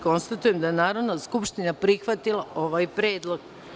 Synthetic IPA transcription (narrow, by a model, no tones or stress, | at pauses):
ko̞nst̪at̪uje̞md̪ajenaːɾo̞d̪naskupʃt̪inapɾixʋat̪ilˠao̞ʋaːjpɾeːd̪lˠo̞ɡ